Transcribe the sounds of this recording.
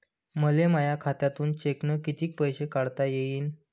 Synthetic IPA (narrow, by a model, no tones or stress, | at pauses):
məleməjakʰat̪jat̪uːnt͡ɕeknəkit̪iːk̚pəjɕekaɽt̪ajejiːn